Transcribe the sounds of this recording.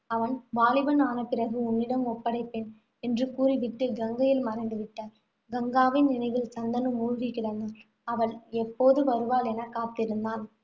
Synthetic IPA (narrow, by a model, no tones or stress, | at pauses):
ɐʋɐnʋaːlɪʋɐnaːnɐpːɪrɐɣɯʊnːɪɽɐmɔpːɐɽɐɪpːeːn | ɛndrɯkuːriʋɪʈːɯɡɐŋɡɐjɪlmɐɾɐɪnd̪ɯʋɪʈːɐ | ɡɐŋɡaːʋɪnnɪnɐɪʋɪlsɐnd̪ɐnɯmuːɻɣɪkːɪɽɐnɐ | ɐʋɐɭɛpːoːðɯʋɐɾɯʋaːlɛnɐkːaːt̪ːɪɾɯnd̪aːn